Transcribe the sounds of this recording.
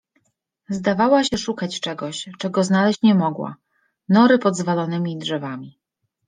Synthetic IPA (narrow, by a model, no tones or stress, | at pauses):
zd̪avawaɕɛʂukat͡ɕt͡ʂɛɡɔɕt͡ʂɛɡɔznalɛɕt͡ɕɲɛmɔɡwa̰ | nɔɾɘpɔd̪zvalɔnɘmʲidʐɛvamʲi